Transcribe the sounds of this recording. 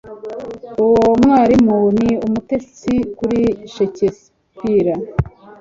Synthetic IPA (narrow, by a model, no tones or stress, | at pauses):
uwomŋaːɾimuniumutest͡sikuɾiʃeces | piɾa